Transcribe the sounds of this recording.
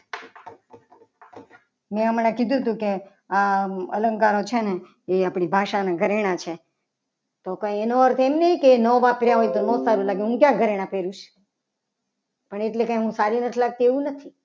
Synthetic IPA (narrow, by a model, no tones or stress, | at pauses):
mɛ̃əmnekid̪ʱũt̪ũke | aə̰ləŋkaɾot͡ʃʰene | eapɽibʱaʃanaɡʱəɾeɽ̃at͡ʃʰe | t̪okãjenoəɾt̪ʰemneikeːnɔʋapɾjaɦojt̪onɔ̃saɾũlaɡẽɦũkjãɡʱəɾeɽ̃ãpeɾũʃ | pəɳeʈlekãjɦũsaɾinəʈ̪ʰilaɡ̚t̪ieũnət̪ʰi